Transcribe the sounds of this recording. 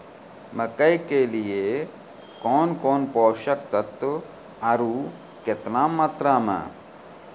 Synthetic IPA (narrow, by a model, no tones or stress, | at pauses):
məkɐjkelijeː | koːnkoːnpoːʃɐkt̪ɐt̪ːu | ɐɾuː | ket̪naːmat̪ɾaːmə̰